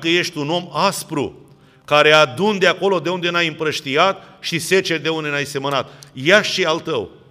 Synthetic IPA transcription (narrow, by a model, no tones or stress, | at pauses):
kəje̞ʃt̪ʲuno̞maspɾṵ | kaɾe̞ad̪und̪eako̞lo̞d̪e̞und̪e̞najɨmpɾəʃt̪iat̪ʃise̞t͡ʃe̞rʲd̪e̞und̪e̞najse̞mənat̪̚jaʃʃialt̪əw